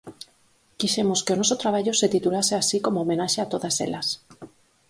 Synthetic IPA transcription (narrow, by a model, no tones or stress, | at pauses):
kiʃemo̞skeonosot̪ɾaβaʎoset̪it̪ulaseasiko̞moːme̞naʃeat̪o̞ðasḛlas